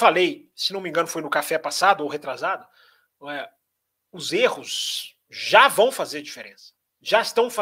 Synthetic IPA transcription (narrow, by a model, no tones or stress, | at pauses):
falejsɪnɐ̃w̃mĩŋɡɐ̃nʊfojnʊkafɛpasad̪ʊowɦet̪ɾazad̪ʊ | ɛ | ʊzehʊz | ʒavɐ̃w̃fazeɾd͡ʒifeɾẽsɐ̥ | ʒaɪst̪ɐ̃w̃fa